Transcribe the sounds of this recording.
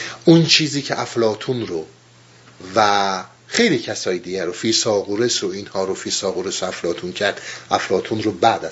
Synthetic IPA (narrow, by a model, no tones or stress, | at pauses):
ʔunt͡ʃʰiːziːcʰeʔæflɒːt̪ʰunɾo | væ | xe̞jliːcʰæsɒːjed̪iːɡæɾofiːsɒːɣoɾesoinhɒːɾofiːsɒːɣoɾesoæflɒːt̪ʰuncʰæɾd̪̥ʔæflɒːt̪ʰunɾobæd̪æ